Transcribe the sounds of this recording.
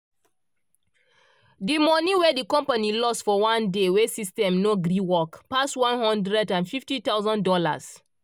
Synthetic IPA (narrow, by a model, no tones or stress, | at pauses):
dimɔniwɛdikɔ̃mpanilɔstfɔwãndewesistɛ̃mnoɡɾiwɔkpaswãnhɔ̃ndɹɛdãnfiftitaʊzɔ̃ndɔla̰s